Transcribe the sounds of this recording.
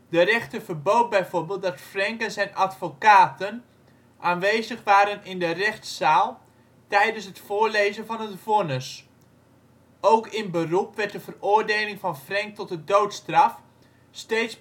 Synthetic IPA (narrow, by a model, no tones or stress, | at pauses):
dərɛχtəvərboːt̚bɛjvoɹbeːlˠt̚dɑtfrɛŋkənzɛjnatfokaːtən | ʔaːnʋejzəχʋaːɾənɪndərɛχtsaːlˠ | tɛjdənsɦətfʊːɹlejzənvɑnətfonəs | owkɪnbərupʋɛɹt̚dəvərʊːɹdeːlɪŋfɑnfrɛŋk̚tɔt̚dədowtstrɑf | steːts